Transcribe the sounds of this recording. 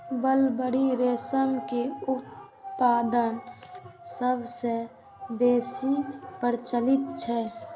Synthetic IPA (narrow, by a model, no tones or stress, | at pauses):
bəlbəɽiɾeːsəmkeʊt̪̚ | paːd̪ən | səbse | beːsipəɾt͡ʃəlɪt̪̚t͡ʃʰɛ